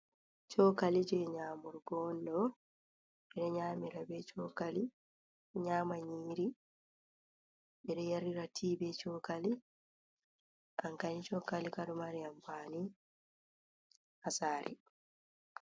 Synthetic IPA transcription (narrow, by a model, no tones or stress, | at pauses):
t͡ʃɔkalid͡ʒɛɲaːmuɾɡɔndɔ | ɓɛɗɛɲaːmiɾabɛt͡ʃɔːkali | ɲaːmaɲiːɾi | ɓɛɗɛjaɾiɾatʰiːbɛt͡ʃɔːkali | ʔaŋkanit͡ʃɔkalikaɗumaɾiambani | hasaːɾʔḭ